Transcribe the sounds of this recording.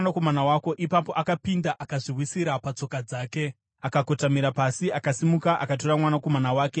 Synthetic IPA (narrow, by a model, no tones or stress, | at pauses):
nakomanawaːko̞ʔipapo̞ʔakapindaʔakaʐirwisiɾapat͡so̞kad͡zaːke̞ | akako̞tamiɾapasiakasimukaʔa̰kato̞ramwanako̞manawaːke̞